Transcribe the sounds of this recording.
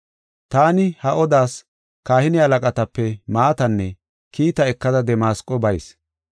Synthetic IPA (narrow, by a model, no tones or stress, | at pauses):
t̪aːnɪhɐʔɔd̪aːs | kaːhɪnɪɐlɐkʼɐt̪ɐpːɛmaːt̪ɐnːɛ | kiːt̪ɐɛkːɐd̪ɐd̪ɛmaːskʼːɔbɐjs